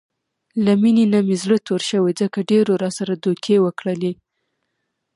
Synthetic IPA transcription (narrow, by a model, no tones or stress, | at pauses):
lamininamizlət̪oɾʃəwed͡zəkaɖeɾoɾɑsaɾad̪okʰewəkɽəle